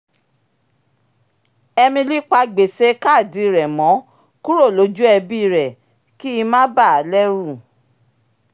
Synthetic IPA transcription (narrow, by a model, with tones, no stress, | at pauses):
ɛ˧mĩ˧li˦k͡pa˧ɡ͡be˨se˨˦ka˦˨di˨˧ɾɛ˨mɔ̃˨˦ | ku˦ɾo˦˨lo˨˦d͡ʒu˦ɛ˧bi˦˧ɾɛ˨ | ki˦i˧mã˦ba˦˨a˨lɛ˦ɾu˦˨